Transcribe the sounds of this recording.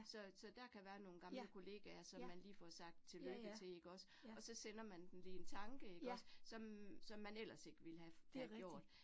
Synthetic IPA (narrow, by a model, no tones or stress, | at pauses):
sɒ̽sɒ̽d̥æɐkʰæʋæːɐno̝ːn̩ɡ̥ɑ̈mləkʰo̝le̝ːɡ̥æɐsɒ̽mːænliːfɒsɑ̈ɡ̥̚d̥t͡sʰe̝løɡ̥ð̩t͡sʰe̝e̝ɡ̥əɒ̽s | ɒ̽sɒ̽sen̰ɐmænd̥enlent͡sʰɑ̈ŋɡ̥əe̝ɡ̥ɒ̽ssɒ̽msɒ̽mːænel̰ɐse̝ɡ̥əʋe̝lhææɡjo̝ɐ̰d̥